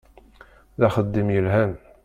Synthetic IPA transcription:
ðaχəd̪ːimjəlɦæn

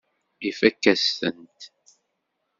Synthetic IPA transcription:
ifækːæsθə̰nt̪

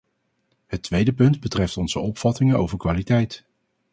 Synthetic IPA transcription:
ɦətʋejdəpɵndbətrɛftɔnzəɔpfɑtɪŋəno̰wvəɹkʋaːlitɛjt

